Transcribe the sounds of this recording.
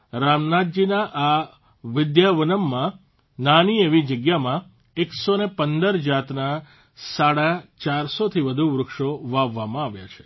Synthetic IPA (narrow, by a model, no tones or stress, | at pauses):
ɾamnat̪̚d͡ʒinaʔa | ʋɪd̪jaʋənəmːã | nanieʋid͡ʒəɡjamã | eksonepənd̪əɾd͡ʒat̪na | saɽat͡ʃaɾsot̪ʰiʋəd̪ʱuʋɾʊkʃoʋaʋːamãaʋja̰t͡ʃʰe̥